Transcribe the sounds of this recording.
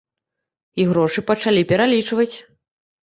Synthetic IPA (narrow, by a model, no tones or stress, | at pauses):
iɣɾɔʂɨpɐt͡ʂalʲipʲɛɾalʲit͡ʂvɐt͡sʲ